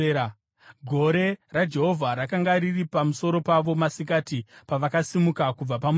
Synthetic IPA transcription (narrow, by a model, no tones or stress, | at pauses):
ɡʱo̞ɾe̞rad͡ʒe̞ɦo̞vʱaɾakaŋɡaɾiripamuso̞ɾo̞paʋo̞masik̬atipaʋakasimukakub͡vapam